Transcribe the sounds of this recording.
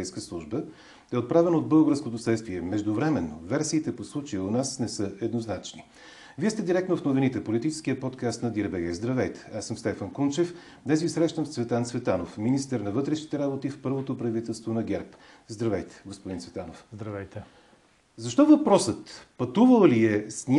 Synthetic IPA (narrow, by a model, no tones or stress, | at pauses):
ɛjskəslˠuʒbə | ɛot̪̚pɾavɛnod̪̚bɤlˠɡəɾskot̪osɛt̪st̪viɛmɛʒd̪ovɾɛmɛnːovɛɾsiːt̪ɛposlˠut͡ʃɛjonasnɛsɤɛd̪noznat͡ʃni | viɛst̪ɛd̪iɾɛkt̪nofnovinit̪ɛpolit̪it͡ʃɛ̥skijəpɔt̪kast̪nɐd̪iɾbɛɡɛzd̪ɾɐvɛjt̪ɛ̥asːəmst̪ɛfənkunt͡ʃɛf | d̪nɛsɡisɾɛʃt̪əmsvɛt̪antsvɛt̪anofminist̪ɛɾnɐvɤt̪ɾɛʃi̥t̪ɛɾabot̪ifpɤɾvot̪opɾɐvit̪ɛlˠst̪vonɐɡʲɛɾp | zd̪ɾɐvɛjt̪ɛ̥ɡospod̪insvɛt̪anofzd̪ɾɐvɛjt̪ɛ | zɐʃt̪ɔvɐpɾɔsət̪pɐt̪uvəlˠliɛsnʲ